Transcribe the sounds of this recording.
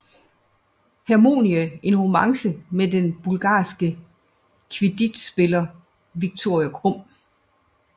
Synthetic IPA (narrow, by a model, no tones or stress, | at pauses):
hæmo̝̰ːniæʔe̝nʁomɑ̈ŋsəmed̥enb̥ulɡ̥ɑ̰̈ːsɡ̥ə | kʰʋed̥id̥sb̥e̝lɐ | ʋiɡ̥̚t͡sʰo̝ɐjækʰʁɔm̰